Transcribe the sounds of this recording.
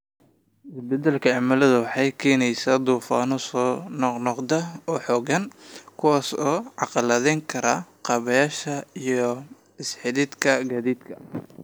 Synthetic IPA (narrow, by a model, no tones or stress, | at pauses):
ɪsbɛd̪ɛlkʰɐɑʕmɐlɐðɐwɑħɑjkʰɛːnɛjsaːd̪uːfaːnɔsɔːnnɔqd̪ɐɔːħɔːɡɐnkʰʊwaːsɔːʕɑqɑlɐðɛŋkʰɐɾa̰qɑβɐjaːʃɐijɔ | ɪsħɪðɪd̪kʰɐɡaːðiːd̪kʰɐ